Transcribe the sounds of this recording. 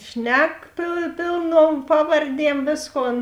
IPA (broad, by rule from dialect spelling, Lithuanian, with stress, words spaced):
ˈʃʲnʲɛk pʲeː pʲeːlˠˌnuɔm ˈpɑːʋɐrʲˌdʲiɛm ˈʋʲeːsˌkoːn